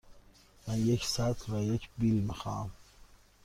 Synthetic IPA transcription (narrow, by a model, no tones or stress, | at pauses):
mænjekʰsæt̪ʰvæjekʰbilmixɑ̰ːæm